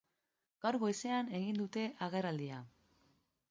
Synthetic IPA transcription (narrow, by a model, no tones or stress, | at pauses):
ɡ̥awɾɣo̞jse̞ane̞ɣind̪ut̪e̞ʔaɣe̞rald̪ia